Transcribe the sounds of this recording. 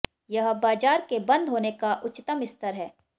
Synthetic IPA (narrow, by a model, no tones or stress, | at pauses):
jɐɦbaːd͡ʒaːɾkebɐ̃nd̪ɦoːnekaʔʊt͡ʃt̪əmɪst̪əɾɦɛː